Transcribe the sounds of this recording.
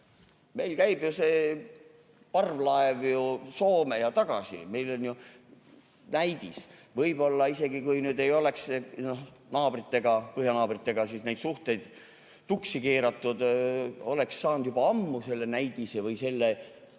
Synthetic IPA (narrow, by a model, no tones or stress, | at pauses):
me̞jlkæjbjuse̞ː | pɑrvlɑevjuso̞ːmejɑt̪ɑɡ̥ɑ̰sḭme̞jlo̞nju | næjd̪̥isvɤjb̥o̞lːɑise̞ɡ̥ikujnyːd̪e̞jo̞leksnohnɑːb̥rit̪ːe̞ɡ̥ɑpɤɦjɑnɑːbrit̪ːˑe̞ɡ̥ɑsiːsne̞jd̪suht̪e̞jd̪̥ | t̪uksikeːɾɑt̪ːˑud̪̥o̞le̞ksːɑːnd̪jubɑɑmːuse̞lːenæjd̪isevɯjse̞lːe